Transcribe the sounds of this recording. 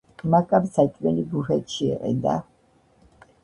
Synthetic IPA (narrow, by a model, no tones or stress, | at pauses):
makʼabsat͡ʃʼmɛlibuχɛt̪ʼʃiːqʼɛ̰nd̪a̰